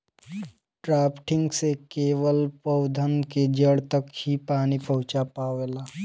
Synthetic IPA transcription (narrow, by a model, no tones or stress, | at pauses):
ʈɾaːpʈʰɪŋɡsekeːʋəlpəwd̪ʱənked͡ʒəɽt̪əkhipaːnipəɦut͡ʃapaːʋeːla